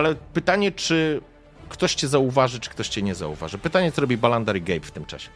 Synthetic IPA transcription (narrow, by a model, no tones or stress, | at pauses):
alɛpɘt̪aɲɛt͡ʂɘ | kt̪ɔɕt͡ɕɛzauvaʐɘt͡ʂɘ̥kt̪ɔɕt͡ɕɛɲɛza̰ṵva̰ʐɨpɘt̪aɲɛt̪sɔɾɔbʲibaland̪aɾiɡɛjpft̪ɘmt͡ʂa̰ɕɛ̥